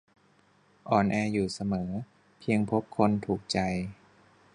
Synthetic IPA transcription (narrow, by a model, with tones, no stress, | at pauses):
ʔɔː˨˩nʔɛː˧juː˨˩sa˧mɤː˩˦ | pʰi˧əŋpʰo˦˥p̚kʰo˧nt̪ʰuː˨˩k̚t͡ɕa˧j